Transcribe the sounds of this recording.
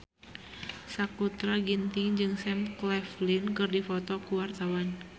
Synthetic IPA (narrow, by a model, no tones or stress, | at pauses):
sakut̪ɾaɡint̪ɪŋd͡ʒɨŋsɛmklɛflinkɨrdifɔt̪ɔkuwart̪awan